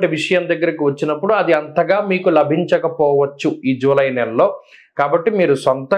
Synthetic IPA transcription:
ʈiʋiʂɐjɐmd̪ɐɡːɐɾɐkiʋɐt͡ʃːinɐpːuɽuɐd̪iɐnt̪ɐɡaːmiːkulɐbʱiɲt͡ʃɐkɐpɔːʋɐt͡ʃːuiːd͡ʒuːlɐjnɛllo̞ː | kaːbɐʈːimiːɾusɐnt̪ɐ

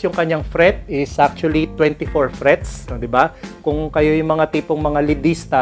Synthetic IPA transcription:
jʊŋkɐɲːaŋfɾɛt̪̚ɪsʔak̚t͡ʃʊɐlit̪wɛ̃nt̪ɪfoɹfɾɛt̪sd̪ɪbakʊŋkɐjo̞jʊŋmɐŋat̪iːpoŋmɐŋalɪd̪ist̪ɐ

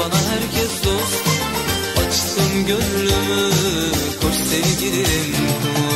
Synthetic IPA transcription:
anaɦæɾcʰɛsd̪os | at͡ʃsʰɯmɟønlymy | hoʃsevɟʲiliɾim

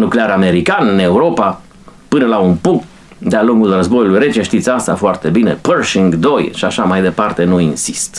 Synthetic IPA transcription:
nukleaɾame̞ɾikanɨne̞uɾo̞pa | pɨnəlaunpuŋk̚t̪̚ | d̪ealuŋɡulrəzbo̞julujɾe̞t͡ʃeʃt̪it̪sʲast̪afoart̪e̞bine̞̰pərʃiŋɡd̪o̞jʃiaʃamajd̪e̞part̪e̞nuinsi̥st̪

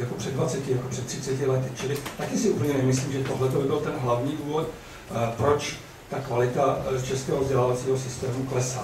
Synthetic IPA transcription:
jako̞pr̝̥ɛdvat͡sɛcɪjakopr̥ɛt̪ːr̝̥ɪt͡sɛcɪlɛt̪ɪt͡ʃɪlɪt̪akɛsɪupl̩ɲɛnɛmɪsliːmʒɛt̪oɦlɛt̪obɪbɪlt̪ɛnɦlavɲiːduːvo̞t̪ | pɾo̞t͡ʃ | t̪akvalɪt̪at͡ʃɛskɛːɦovzɟɛlavat͡siːɦosɪst̪ɛːmuklɛsa

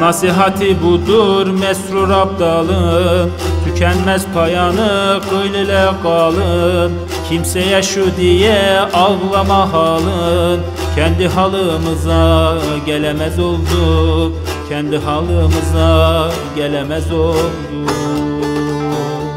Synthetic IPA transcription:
nɑsiɦɑt̪ʰɨbud̪uɾmɛsɾuɾɑb̚d̪ɑlˠɯnt̪ʰycʰɛnmɛzpʰɑjɑnɯqʰøjlɛlɛɡɑːlˠɯn | kʲʰimsɛjɛʃud̪ijɛɑlʁlˠɑmɑɦɑːlˠɯn | cʲʰɛnd̪ɪɦɑlˠɯmɯzɑɡʲɛlɛmɛzolˠd̪u | kʲʰɛnd̪iɦɑlˠɯmɯzɑ | ɡʲɛlɛmɛzolˠd̪u

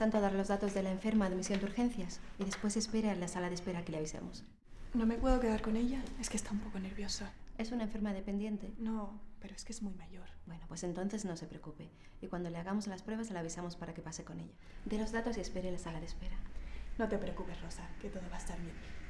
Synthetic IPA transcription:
t̪ant̪oðaɾlo̞zðat̪o̞zðe̞laeɱfe̞ɾmaːðmisjo̞nd̪uɾxe̞n̟θjasiðe̞spwe̞se̞spe̞ɾelasalaðe̞spe̞ɾake̞leaβisḛmos | no̞me̞pwe̞ðo̞ke̞ðaɾko̞ne̞ʎae̞skest̪aumpo̞ko̞ne̞ɾβjo̞sae̞sunaeɱfe̞ɾmaðepe̞nd̪je̞nt̪e̞no̞pe̞ɾoeskeezmujmaʝo̞ɾbwe̞nopwe̞se̞nt̪o̞n̟θe̞zno̞se̞pɾeokupe̞ | ikwand̪o̞le̞aɣamo̞zlaspɾwe̞β̞aslaβisamo̞spaɾakepase̞ko̞ne̞̰ʎa | d̪e̞lo̞zðat̪o̞sie̞spe̞ɾelasalaðe̞spe̞ɾano̞t̪e̞pɾeokupesro̞sake̞t̪o̞ðoβaest̪aɾβje̞n

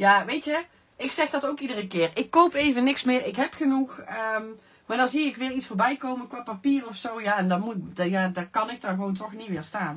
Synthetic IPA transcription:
jaːʋejtjə | ʔɪksɛxdɑtowkidərəkɪːrɪkːowpejvənɪksmɪːɹɪkɦɛpχənuxəm | maːɹdɑnziɪkʋɪːɹitsfoːɹbɛjkowmənkʋaːpapiːrɔfsowjaːɛndɑmutdjaːdakɑnɪk̚danɣəʋowntɔxnitʋɪːɹstaːn

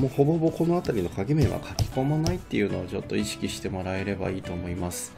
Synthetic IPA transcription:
moho̞bo̞bo̞ko̞no̞at̪aɾʲino̞kaɡʲemẽ̞β̞a̰kʰakʲi̥ko̞manait̪ːe̞jɯ̟ːno̞ːt͡ɕo̞t̪ːo̞iɕi̥kʲiɕi̥t̪e̞mo̞ɾae̞ɾe̞ba̰iːt̪o̞ːmo̞imasɨ̥

